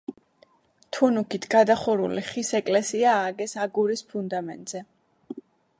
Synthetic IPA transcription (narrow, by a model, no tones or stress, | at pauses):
t̪ʰunukʰit̪ʰɡad̪aχuɾṵliχisɛkʼlɛsiaːɡɛsaɡuɾispʰund̪amɛ̰nt̪ʼz̥ɛ